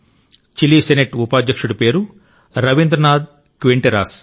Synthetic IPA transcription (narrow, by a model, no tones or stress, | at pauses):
t͡ʃiliːseneʈupaːd̪jɐkʂuɽupeːɾu | ɾɐʋind̪ɾɐnaːd̪ | kʋeɳʈiɾa̰ːs